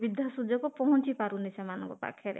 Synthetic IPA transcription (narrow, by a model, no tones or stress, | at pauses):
bid̪ʱasud͡ʒɔkupɔɦɔ̃nt͡ʃipaɾunisʰamanɔ̰ŋkɔpa̰kʰːjɔɾḛ